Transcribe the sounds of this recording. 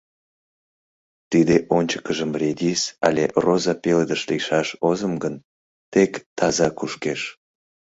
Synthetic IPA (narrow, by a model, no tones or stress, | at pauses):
t̪id̪eʔonʲt͡ɕə̥kəʒəmred̪ʲisɑ̰lʲḛʔrozɑpeləd̪əʃlejʃɑʃozəmɡən | t̪ekt̪ɑzɑkuʃkeʃ